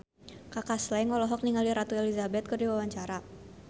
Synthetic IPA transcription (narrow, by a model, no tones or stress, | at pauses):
kakaslaɪnŋɔlɔɦɔk̚niŋaliɾat̪uelizabɛt̪̚kɨrdiwawaɲt͡ʃaɾa